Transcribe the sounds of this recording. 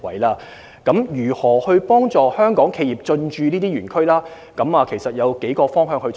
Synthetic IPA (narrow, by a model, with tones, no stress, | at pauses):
wɐ̰˨˥jlaː˧˥ | kɐ˨˥mjyː˨˩hɔː˨˩hɵ˧ɥpɔː˥ŋt͡sɔː˨hœː˥ŋkɔː˨˥ŋkʰe˧jiː˨p̚t͡sɵ˧nt͡ʃyː˧niː˥t̪iː˥yː˨˩nkʰɵ˥ɥlaː˥ | kɐ˨˥maː˨˧kʰe˨˩jsɐ˨t̚jɐ˨˧wke˨˥jkɔː˧fɔː˥ŋɦœː˧ŋhɵ˧